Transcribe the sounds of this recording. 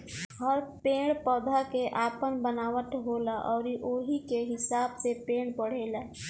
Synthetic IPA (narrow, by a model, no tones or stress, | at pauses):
ɦəɾpẽːɽpɔːd̪ʱakeʔaːpənbənaːwət̪ɦoːlaʔɔːɾiʔoːɦikeɦɪsaːbsepẽːɽpəɽ̤eːlaː